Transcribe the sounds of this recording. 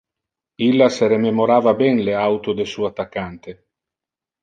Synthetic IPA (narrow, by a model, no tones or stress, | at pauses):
ilːaseɾememoɾaːvabɛnleawt̪od̪esuːat̪ːakːant̪e